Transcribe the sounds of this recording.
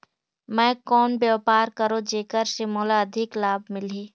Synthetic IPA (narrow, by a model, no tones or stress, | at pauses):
mɛ̃ːkɔːnbjapaːɾkəɾod͡ʒeːkəɾsemɔːlaɐd̪ʱɪklaːbmɪleː